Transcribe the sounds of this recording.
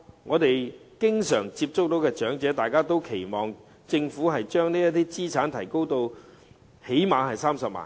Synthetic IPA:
ŋɔː˨˧t̪e˨jkɪ˥ŋsœː˨˩ŋt͡siː˧p̚t͡sʊ˥k̚t̪o˨˥wkɛː˧t͡ʃœː˨˥ŋt͡sɛː˨˥t̪aː˨˩jkaː˥t̪o˥wkʰe˨˩jmɔː˨ŋ | t͡sɪ˧ŋfu˨˥ɦɐ˨jt͡ʃœː˥ŋniː˥jɐ˥t̪iː˥t͡siː˥t͡ʃʰaː˨˥nt̪ʰɐ˨˩jko˥wt̪o˧w | he˨˥jmaː˨˧nhɐ˨jsaː˥msɐ˨p̚ma̰ː˨˩n

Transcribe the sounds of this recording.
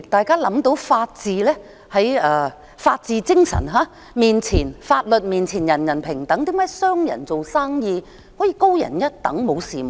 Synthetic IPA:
t̪aː˨jkaː˥lɐ˨˥mt̪o˨˧˥wfaː˧t̚t͡siː˨lɛː˥ | hɐ˨˥jɛː˧˩ | faː˧t̚t͡siː˨˧t͡sɪ˥ŋsɐ̰˨˩nɦaː˨˧˥ | miː˨˩nt͡sʰiː˨˩nfaː˧t̚lɵ˨t̚miː˨˩nt͡sʰiː˨˩njɐ˨˩njɐ˨˩npʰɪ˨˩ŋt̪ɐ˨˥ŋt̪i˨˥maː˨˧˥jsœː˥ŋjɐ̰˨˩nt͡so˨wsaː˥ŋjiː˧ | hɔː˨˥jiː˨˧ko˥wjɐ̰˨˩njɐ˥t̚t̪ɐ˨˥ŋmo˨˧wsiː˨m˨

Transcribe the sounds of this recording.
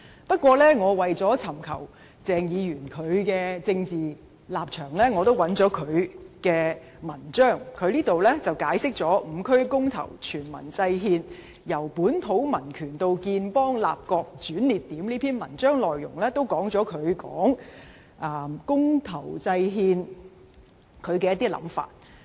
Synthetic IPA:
pɐ˥t̚kwɔː˧lɛː˥ŋɔː˨˧wɐ˨jt͡sɔː˨˥t͡sʰɐ˨˩mkʰɐ˨˩w | t͡sɛː˨ŋjiː˨˧jyː˨˩nkʰɵ˨˧ɥkɛː˧t͡sɪ˧ŋt͡siː˨ | laː˨p̚t͡ʃʰœː˨˩ŋlɛː˥ŋɔ˨˧t̪o˥wɐ˨˧˥nt͡sɔː˨˥kʰɵ˨˧ɥkɛː˧ | mɐ˨˩nt͡ʃœː˥˩ŋkʰɵ˨˧ɥliː˥t̪o˨wlɛː˥t͡sɐ˨˩wkaː˨˥jsɪ˥k̚t͡sɔː˨˥m̩˨˧kʰɵ˥ɥkʊ˥ŋt̪ʰɐ̰˨˩wt͡ʃʰyː˨˩nmɐ̰˨˩nt͡sɐ˧jɦiː˧n | jɐ˨˩wpuː˨˥nt̪ʰo˨˥wmɐ˨˩nkʰyː˨˩nt̪o˧wkiː˧npɔː˥ŋla̰ː˨p̚kɔː˧k̚t͡ʃyː˨˥nliː˨t̚t̪iː˨˥mliː˥pʰiː˥nmɐ˨˩nt͡ʃœː˥ŋlɔː˨jːʊ˨˩ŋlɛː˥t̪o˥wkɔː˨˥ŋt͡sɔː˨˥kʰɵ˨˧ɥkɔː˨˥ŋ | ʔɐː˨˧kʊ˥ŋt̪ʰɐ˨˩wt͡sɐ˧jɦiː˧n | kʰɵ˨˧ɥkɛ˧jɐ˥t̪iː˥lɐ̰˨˧˥mfa̰ː˧t̚

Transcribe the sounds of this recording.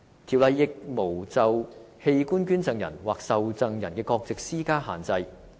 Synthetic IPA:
t̪ʰiː˨˩wlɐ˨˧jːɪ˨k̚mo˨˩wt͡sɐ˨w | he˧jkuː˥nkyː˥nt͡sɐ˧ŋjɐ̰˨˩nwaː˨k̚sɐ˨wt͡sɐ˧ŋjɐ˨˩nkɛː˧kɔː˧k̚t͡sɪ˨k̚siː˥kaː˥ɦaː˨˩nt͡sɐ˧j

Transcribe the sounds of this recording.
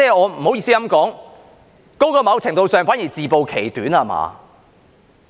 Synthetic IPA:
t͡sɛː˥˩ɔː˨˧m̩˨˩ho˨˥wjiː˧siː˥jɐ˧˥mkɔː˨˥ŋ | ko˥wkɔː˧mɐ˨˧wt͡sʰɪ˨˩ŋt̪o˧wsœː˨˧ŋfaː˨˥nji˨˩t͡siː˨˩po˨wkʰe˨˩jt̪yː˨˥naː˧ma̰ː˨˧

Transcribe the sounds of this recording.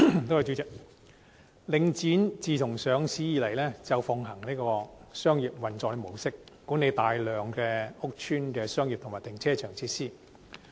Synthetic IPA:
t̪o˥wjɐ˨˧wt͡ʃyː˨˥t͡sɪ˨k̚ | lɪ˨˧ŋt͡siː˨˥nt͡siː˨t̪ʰʊ˨˩ŋsœː˨˧ŋsiː˨˥jiː˨˧lɐ˨˩jlɛː˥t͡sɐ˨wfɔ˨ŋɦɐ˨˩ŋniː˥kɔː˧sœː˥ŋjiː˨p̚wɐ˨nt͡sɔː˨˧kle˧˩mo˨˩wsɪ˥k̚ːuː˨˥ne˨˧jt̪aː˨jlœː˨ŋkɛː˧ʊ˥k̚t͡ʃʰyː˥nkɛː˧sœː˥ŋjiː˨p̚t̪ʰŋmaː˨˩t̪ɪ˨˩ŋt͡sʰɛː˥t͡ʃʰœː˨˩ŋt͡sʰiː˧t̚siː˥

